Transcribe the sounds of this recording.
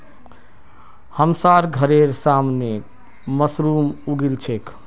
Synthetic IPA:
həmsaɾɡʱəɾeɾsamne | məsɾumuɽilt͡ʃʰek

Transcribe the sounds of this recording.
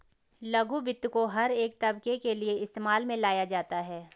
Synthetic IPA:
lɐɡubɪt̪ːkoɦɐɾeːk̚t̪ɐbkekelieɪst̪eːmaːlmẽlaːjad͡ʒaːt̪aɦɛː

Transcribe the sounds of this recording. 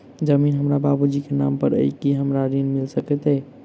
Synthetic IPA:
d͡ʒəminɦəmɾababud͡ʒikena̰mpəɾə̰jkiɦəmɾaɾinmilsəkɛt̪ɛ

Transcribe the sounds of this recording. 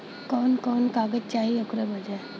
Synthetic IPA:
kɔːnkɔːnkaːɡəd͡ʒt͡ʃaːɦiʊkɾebɐd͡ʒae

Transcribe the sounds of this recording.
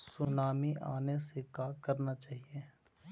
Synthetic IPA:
sʊnaːmiʔa̰ːnesekakɐɾnat͡ʃaːɦieː

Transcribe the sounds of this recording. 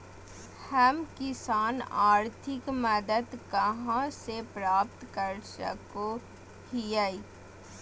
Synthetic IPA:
həmkɪsaːnaːɾt̪ʰɪkməd̪əd̪kəɦãsepɾaːp̚t̪kəɾsə̰ko | hijəi

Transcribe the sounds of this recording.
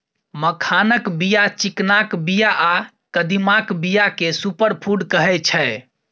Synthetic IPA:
məkʰanəkbijat͡ʃiknakbijaʔa | kəd̪imakbijakesupəɾpʰuɖkəɦɛt͡ʃʰɛ

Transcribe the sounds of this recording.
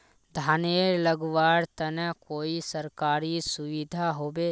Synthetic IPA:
d̪ʱaːneːɾləɡʋaːɾt̪ənəkoːisəɾkaːɾisʊʋid̪ʱaɦoːbeː

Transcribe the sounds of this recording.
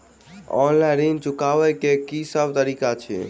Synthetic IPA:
ɔ̰nlanint͡ʃukaʋɛkekisəbʱt̪əɾikat͡ʃʰɛ̰

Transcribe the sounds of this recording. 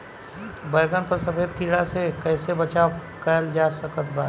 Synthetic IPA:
bəjɡənpəɾsəfeːd̪kiɽasekɛːsebɐt͡ʃakəəld͡ʒaːsəkət̪̚baː

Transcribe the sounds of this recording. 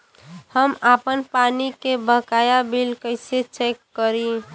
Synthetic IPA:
həmapənpanikebʱəkajabilkəɪset͡ʃekːəɾi

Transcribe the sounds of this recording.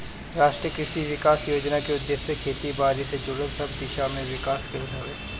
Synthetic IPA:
ɾaːʃʈɾiəkɾɪʃiʋɪkaːsjoːd͡ʒnakeʊd̪ːesjekʰeːt̪ibaːɾised͡ʒʊɽə̃nsɐbd̪ɪʃamẽʋɪkaːskenɦoeː

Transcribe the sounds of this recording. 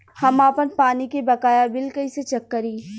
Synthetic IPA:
hɐmaːpənpaːnikebɐkaːjabɪlkəiset͡ʃɐkːəɾiː

